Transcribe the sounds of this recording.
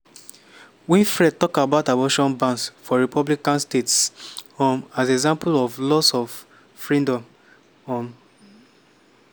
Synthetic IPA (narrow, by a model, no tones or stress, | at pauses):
wĩnfɹɛd̚tɔkabaʊtabɔʃɔ̃nbãnsfɔɹipʰɔblikãnstetshõmasɛɡzãmpulɔflɔsɔf | fɹĩdɔ̃m | hɔ̃m